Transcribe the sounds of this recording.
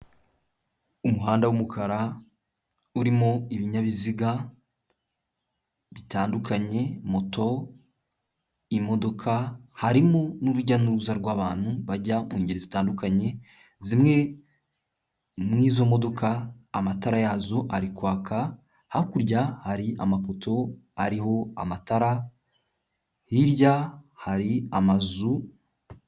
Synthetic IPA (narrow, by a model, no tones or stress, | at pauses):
umuɦaːndawumukʰaɾa | uɾimoiβiɲaβiziɡa | βitaːndukaɲe̞mo̞tʰo̞ | imo̞do̞kʰahaɾimonuɾuɟanuɾuzaɾɡwaːβaːn̥huβaɟamuːɲɟiɾezitaːndukaɲe̞ | zimŋe̞ | mŋiːzo̞mo̞do̞kaːmataɾajazoʔaɾikwaːka | hakuɾɟahaɾia̰mapo̞to̞aɾiɦo̞a̰mataɾa | hiɾɟahaɾiamazu